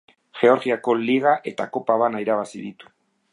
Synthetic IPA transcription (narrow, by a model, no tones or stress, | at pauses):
ʝe̞o̞ɾɣiako̞liɣ̞aʔe̞t̪ako̞paβ̞anaiɾaβ̞asiðit̪u̥